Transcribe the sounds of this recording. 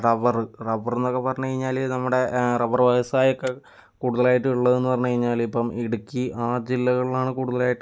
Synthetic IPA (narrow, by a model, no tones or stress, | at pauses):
rɐʋɐrrɐbɐrenːokːepːɐrɐɲːukɐɻiɲːaːlinɐmːuɽe̞rɐʋɐrʋɐjɐsaːjokːe | kuːɽuðɐlaːjiʈːɨuɭːɐðenːɨpɐrɐɲːukɐɻiɲːaːlipːɐmiɽukʲːiʔaːd͡ʑilːɐɣɐɭilaːɳɨkuːɽuðɐlaːjiʈː